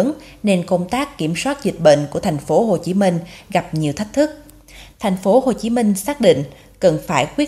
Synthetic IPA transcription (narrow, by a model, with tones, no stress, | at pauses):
ŋ | ne˧nko˧wŋ͡mt̪aː˦˥kːi˧˩əmswaː˦˥t̚zï˨˩k̟̚ɓḛ˧˨n̟ku˧˩ət̪ʰa˨˩jŋ̟fo˨˦ɦo˨˩t͡ɕi˨˦mï˧ŋ̟ɣa˨˩p̚ɲi˨˩əwt̪ʰi˦˥k̚t̪ʰɨ˦˥k̚ | t̪ʰa˨˩jŋ̟fo˨˦ho˨˩t͡ɕi˨˦mï˧ŋ̟saː˦˥k̚ɗḭ˧˨ŋ̟ | kə˨˩nfaː˧˩jkwi˦˥ə